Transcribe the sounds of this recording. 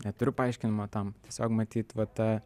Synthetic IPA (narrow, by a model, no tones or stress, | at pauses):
nʲɛt̪ʊɾʲʊpɐɐɪʃʲkʲɪnʲɪmot̪ɐmt̪ʲiɛsʲoːkmɐt̪ʲiːt̪ʋɐt̪ɐ